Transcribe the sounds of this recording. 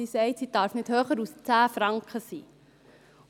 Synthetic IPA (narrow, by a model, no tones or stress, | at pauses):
isɛɪtsidɑrfnithøːχəɾust͡sæːfrɑŋkχəsiː